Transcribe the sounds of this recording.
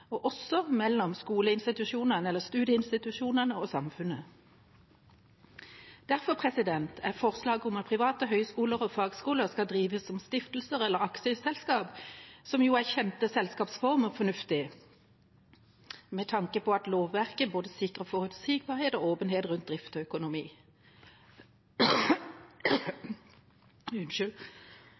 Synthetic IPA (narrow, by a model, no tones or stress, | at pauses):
ɔʔɔsɔmɛlːɔmskuːləɪnst̪ɪt̪ʉʂuːnəʁnəɛlːəst̪ʉːd̪jəɪnst̪ɪt̪ʉʂuːnənəɔsɑmfʉnə | d̪̥æʁfɔpʰʁɛsɪd̪ɛnt̪ʰæʁfɔʁslɑːɡəʊmɑt̪̚pʰʁɪʋɑːt̪əɦœʏskuːləʁɔfɑːɡskuːləʁskɑd̪ʁiːʋəsɔmst̪ɪft̪l̩səʁɛlːəʁɑksəsɛlskɑːpsɔmjuːæʁçɛnt̪əsɛlskɑːpsfɔʁməfɔnʉft̪ɪ | mɛt̪ʰɑŋkəpɔɑt̪loːʋːæʁkəboːd̪əsɪkʁəfɔʁʉt̪siːɡ̚bɑːʁheːt̪ɔoːpənheːt̪ʁʉnt̪̚d̪ʁɪft̪ɔœkʊnʊmiː | ʉnʃʉl